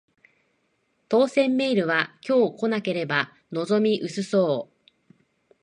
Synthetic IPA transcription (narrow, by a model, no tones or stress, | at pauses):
t̪o̞ːsẽ̞mːe̞iɾɯ̟βakʲo̞ːko̞nake̞ɾe̞ba | no̞zo̞mʲiʔɯ̟sɨso̞ː